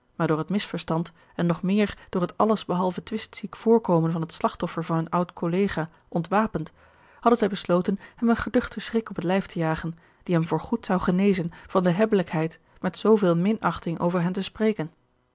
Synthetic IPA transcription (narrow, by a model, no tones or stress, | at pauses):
maːɹdʊːɹɦətmɪsfəɹstɑnt | ɛnːɔχmɪːɹd̥ʊːɹətɑləzbəɦɑlˠvətʋɪstsikfʊːɹkowmənvɑnɦətslɑχtɔfəɹvɑnɦɵnʌwtkʰolejχaː | ʔɔntʋaːpənt | hɑdənzɛjbəslowtənhɛmənχədɵχtəsrɪkɔpətlɛjftəjaːχən | d̥iɦɛmvʊːɹχutsɑwχənejzənv̥ɑndəɦɛbələkɦɛjt | mɛtsowvɪːlˠmɪnɑχtɪŋʔo̰wvəɹɦɛntəsprejkən